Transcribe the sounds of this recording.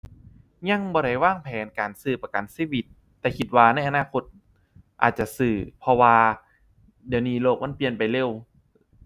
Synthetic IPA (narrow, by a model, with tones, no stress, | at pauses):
ɲa˧ŋbɔː˧ɾa˧˩jwaː˥˩ŋpʰɛː˨˦nkaː˨˩nsɯː˧˩pa˧ka˨˩nsiː˧˥˩wi˨˧˩t̪ːɛː˨˩kʰi˧t̪̚waː˧na˧˩jʔa˧naː˧˩˨kʰo˧t̪̚ | ʔa̰ː˨˩t̪̚t͡ɕa˨˧˩ʔsɯː˧˩pʰɔ˧waː˧ | di˨˦wniː˧˩loː˧˩k̚ma˧˥˨pi˧ənpa˨jle˧˩w